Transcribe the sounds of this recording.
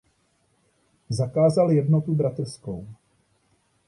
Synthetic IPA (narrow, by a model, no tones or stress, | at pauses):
zakaːzaljɛdnot̪ubɾat̪r̩sko̞w